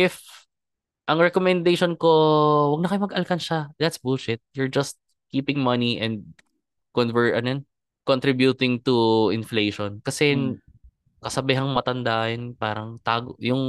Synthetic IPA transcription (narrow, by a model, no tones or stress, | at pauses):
ʔɪf | ʔɐŋɹɛkomɛnd̪ejʃonko̞wɐɡ̚nɐkɐjmɐɡɐlkɐnʃad̪ɐt̪sbʊlʃɪt̪̚jʊɹd͡ʒɐst̪̚ | kiːpɪ̃ŋmɐniʔɛ̃nd̪̚ | kɔnvɛɹʔɐnjɛn | kont̪ɾɪbjut̪ɪŋt̪uɪnfleːʃonkɐsɛ | kɐsɐbɪɦɐŋmɐt̪ɐnd̪ajɛnpaːɾɐŋt̪aːɡojʊŋ